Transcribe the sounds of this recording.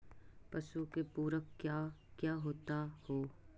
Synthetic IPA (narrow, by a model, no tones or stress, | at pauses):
pɐʃukepuːɾəkkjaːkjaːɦoːt̪ahoː